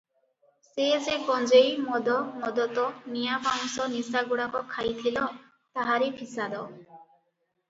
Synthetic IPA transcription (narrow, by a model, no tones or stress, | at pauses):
sezeɡɔnd͡ʒejmɔd̪ɔmɔd̪ɔt̪ɔnijabawsɔnisaɡuɽakɔkʰajt̪ʰilɔ | t̪aɦaɾepʰisad̪ɔ